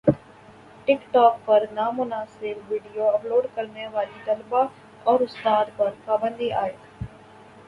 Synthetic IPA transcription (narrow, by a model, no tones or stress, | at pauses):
ʈɪkʈɔːk̚pəɾnaːmʊnaːsɪbʋiːɖijoɐploːɖkəɾneʋaːlit̪əlba | ɔːɾʊst̪aːd̪pəɾpaːbə̃nd̪iːʔaːeː